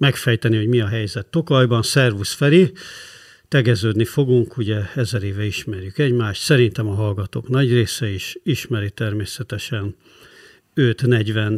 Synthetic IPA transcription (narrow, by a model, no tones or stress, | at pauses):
mɛkfɛjt̪ɛniho̞ɟmiɒɦɛjzɛt̪ːo̞kɒjbɒnsɛrvusfɛɾi | t̪ɛɡɛzøːd̪nifo̞ɡuŋkʰuɟɛɛzɛɾeːvɛiʃmɛrjykɛɟmaːʃt̪sɛɾint̪ɛmɒɦɒlɡɒt̪o̰ːknɒɟreːsɛiʃiʃmɛɾit̪ɛrmeːsɛt̪ɛʃɛn | øt̪nɛɟvɛn